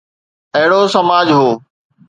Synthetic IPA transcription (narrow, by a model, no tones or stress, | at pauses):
ɐɦɪɽoːsɐmaːd͡ʑɦoː